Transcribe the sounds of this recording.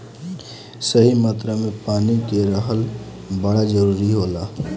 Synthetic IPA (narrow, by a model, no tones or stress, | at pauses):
səɦimat̪ɾamepaːnikeɾəɦəl | bəɽad͡ʒəɾuɾiɦola